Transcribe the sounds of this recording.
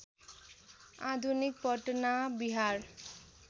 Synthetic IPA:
ad̪ʱunik̚bʱʌʈnabiɦaɾ

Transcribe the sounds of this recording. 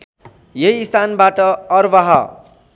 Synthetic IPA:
jeiːst̪ʰanbaʈʌːrbaɦʌ

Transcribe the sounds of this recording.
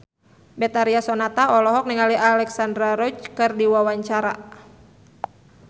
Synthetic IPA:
bɛt̪aɾiasɔnat̪aɔlɔɦɔk̚niŋaliʔalɛksandɾaɾɔt͡ʃkɨrdiwawaɲt͡ʃaɾa

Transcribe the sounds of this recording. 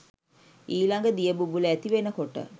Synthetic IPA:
iːlaŋɡəd̪ijəbubuləæt̪iʋenəkoʈə̰

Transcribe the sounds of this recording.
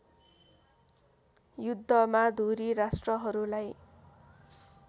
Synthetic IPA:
jud̪ʱːʌmad̪ʱuɾiɾasʈrʌɦʌɾulaj

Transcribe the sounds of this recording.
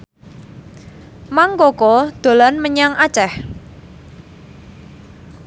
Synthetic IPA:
maŋkokɔd̪̥o̤lanməɲaŋat͡ʃɛh

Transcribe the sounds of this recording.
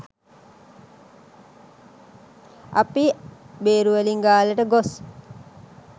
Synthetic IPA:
a̰pibeːɾuʋeliŋɡaːləʈəɡos

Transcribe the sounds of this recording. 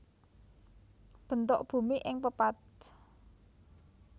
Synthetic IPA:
b̥ə̤nt̪oʔb̥ṳmiʔɪŋpəpat̪̚

